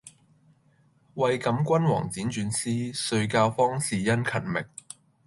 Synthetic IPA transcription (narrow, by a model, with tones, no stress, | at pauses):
wɐ˨jkɐ˨˧˥mkʷɐ˥nwɔ̰ː˨˩ŋt͡siː˨˥nt͡ʃyː˨˧nsiː˥sɵ˧ɥkaː˧wfɔː˥ŋsiː˨jɐ˥nkʰɐ˨˩nmɪ˨k̚